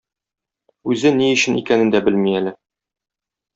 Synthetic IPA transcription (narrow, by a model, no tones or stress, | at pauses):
ʉzɘniɵ̆ɕɘ̆nḭkænɘ̆nd̪æbɘlmiælɘ